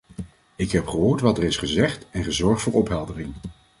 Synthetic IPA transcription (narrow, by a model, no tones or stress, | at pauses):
ɪkɦɛpχəɦʊːɹtʋɑtəɹɪsχəzɛχtɛnχəzɔɹχtfʊːɹɔpɦɛlˠdərɪŋ